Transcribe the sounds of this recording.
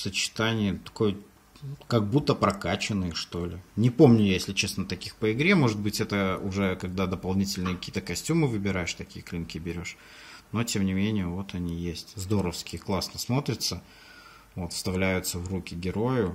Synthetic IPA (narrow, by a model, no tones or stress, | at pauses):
sət͡ɕɪ̥t̪anʲɪjət̪ɐ̥ko̞j | kɐɡ̚but̪ːəpɾɐkat͡ɕɪnːɨjʂt̪o̞lʲɪnʲɪpo̞mnʲʊjesʲlʲɪt͡ɕe̞snət̪ɐkʲixpəɪɡɾʲemo̞ʐɨt̪̚bɨtʲɛt̪əʊʐɛkɐɡd̪ad̪əpɐlˠnʲitʲɪlʲnɨjəkɐkʲiːt̪əkɐsʲtʲumɨvɨbʲɪɾajɪʂt̪ɐkʲijəklʲinkʲɪbʲɪɾʲo̞ʂ | no̞tʲe̞mnʲɪmʲenʲɪjəvo̞t̪ɐnʲijesʲtʲzd̪o̞ɾəfskʲɪjəklˠasnəsmo̞t̪ɾʲɪt̪sə | vo̞t̪fst̪ɐvlʲæjʊt̪səvrukʲɪɡʲɪɾo̞jʊ